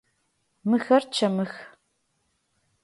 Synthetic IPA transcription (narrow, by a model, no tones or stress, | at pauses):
mɨxɐrt͡ʃʰɐmɨx